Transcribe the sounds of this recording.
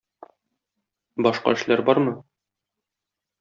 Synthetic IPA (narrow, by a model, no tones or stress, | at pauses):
bɒʃqɑ̰ɘ̆ʃlæɾbɒɾmɤ